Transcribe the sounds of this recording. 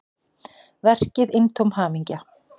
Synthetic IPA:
vɛr̥cɪðɪnt̪ʰowmhaːmiɲca

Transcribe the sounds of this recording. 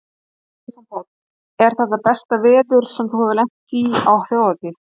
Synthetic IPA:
sɛmsajt̪ | ɛɾ̥θɛt̪ːapɛst̪avɛːðʏɾ̥sɛmθuhavɪlɛjŋ̥t̪iawθjoːwðat̪ɪ

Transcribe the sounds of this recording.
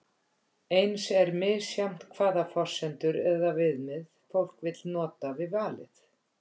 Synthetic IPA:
ejnsɛɾmɪðsjam̥t̪kʰvaːðafɔr̥sɛnt̪ʏɾɛðavɪðmɪðfowl̥kvɪt̪lnɔːt̪avɪðvaːlɪ̰θ

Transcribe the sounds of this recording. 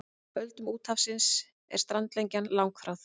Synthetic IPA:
pœlt̪ʏmuːt̪hafsɪns | ɛ̰ɾ̥st̪ɾant̪lejɲcanlawŋkfɾawθ

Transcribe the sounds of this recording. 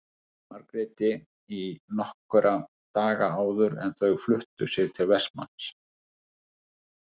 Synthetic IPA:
maɾkɾɪːt̪ɪ | inɔhkʏɾʔa | t̪aːɣaaːwðʏɾɛ̰nθœɣflʏht̪ʏsjɛɣt̪ʰɪlvɛsma̰ns

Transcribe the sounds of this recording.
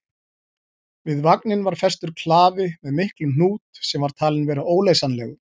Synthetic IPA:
vɪðvaknɪnvaɾ̥fɛst̪ʏɾ̥kʰlaːvɪmɛðmɪhklɪnn̥uːt̪sɛmvaɾ̥t̪ʰaːlɪnvɛːɾaʔoːwleːjsanlɛɣ

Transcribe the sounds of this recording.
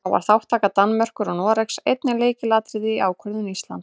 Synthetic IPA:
awva̰ɾ̥θawht̪ʰaːkat̪anːmœr̥kʏɾɔɣnɔːɾɛksejt̪nɪleːjcɪlaːt̪ɾɪðɪiʔa̰ːwkʰœɾðʏnist̪la̰nt̪

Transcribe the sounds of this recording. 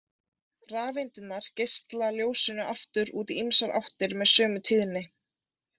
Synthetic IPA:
raːvejnt̪ɪnːaɾ̥cejst̪laljoːwsɪnʏʔaft̪ʏɾuːt̪iimsaɾa̰wht̪ɪɾmɛðsœːmʏt̪ʰɪðnːɪ

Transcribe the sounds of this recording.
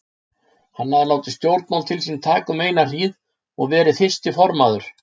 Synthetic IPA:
hanːaðɪlaːwt̪ɪst̪jowɾt̪mawlt̪ʰɪlsint̪ʰaːkʏmeːjnar̥iːð | ɔɣvɛːɾɪθɪst̪ɪfɔɾmaːðʏɾ̥

